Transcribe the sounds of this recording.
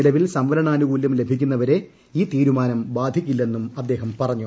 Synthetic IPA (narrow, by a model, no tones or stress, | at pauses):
ilɐʋilsɐmʋɐlɐɳaːnuɣuːlːumle̞bʱikʲːunːɐʋɐɾe̞ | iːt̪iːɾumaːnɐmbaːd̪ʱikʲːilːe̞nːumɐd̪ːe̞ːɦɐmpɐrɐɲːu